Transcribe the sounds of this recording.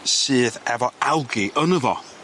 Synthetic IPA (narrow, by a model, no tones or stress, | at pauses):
sɨːðɛvɔawɡiʔənəvɔ̰